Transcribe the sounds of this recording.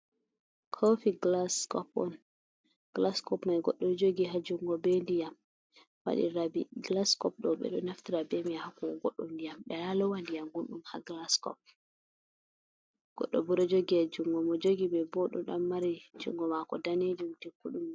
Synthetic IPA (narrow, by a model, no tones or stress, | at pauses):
kʰɔfiɡlaskɔpɔ̰n | ɡ̥laskɔpmajɡɔɗːɔd͡ʒoɡiɦad͡ʒuŋɡɔbɛndijam | wa̰ɗḭɾabiɡlaskɔp̚ɗɔɓɛ̰ɗɔnaftiɾabɛmiahakɔɡɔɗːɔndijamɓɛalɔwandijamɡunɗumha̰ɡlaskɔ̰p̚ | ɡ̥ɔ̰ɗːɔbuɾɔd͡ʒoɡihad͡ʒuŋɡɔmɔd͡ʒoɡibɛbɔɗɔ̰ɗamːaɾid͡ʒṵŋɡɔmakɔdaned͡ʒiwutɛkuɗum